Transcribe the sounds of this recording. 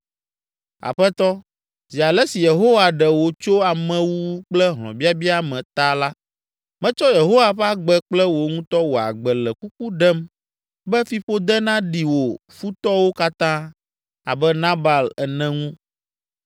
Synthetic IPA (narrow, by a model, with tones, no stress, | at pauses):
a̰˨ɸɛ˦t̪ɔ˦ | zi˨a˨lɛ˦si˨je˨ɦo˦wa˨ɖɛ˨wo˨t͡ʃo˦a˨mɛ̃˨wu˦k͡plɛ˦ɦlɔ̰̃˨bi˦a˦bi˦a˦mɛ̃˨t̪a˦la˦ | mɛ̃˦t͡ʃɔ˦je˨ɦo˦wa˨ɸa˦ɡ͡bɛ˦k͡plɛ˦wo˨ŋũ˦t̪ɔ˦wo˨a̰˨ɡ͡bɛ˨lɛ˨ku˦k̚u˦ɖɛ˦m | bɛ˦fi˦ɸo˦d̪ɛ˦nã˦ɖi˨wo˨fu˦t̪ɔ˦wo˦ka˦t̪ã˦ | a̰˨bɛ˦nã˦ba˨lɛ˨nɛ̃˦ŋũ˦